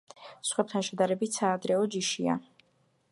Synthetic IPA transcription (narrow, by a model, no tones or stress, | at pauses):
sχwɛp̚t̪ʰanʃɛd̪aɾɛbit̪ʰsaːd̪ɾɛɔd͡ʒiʃia̰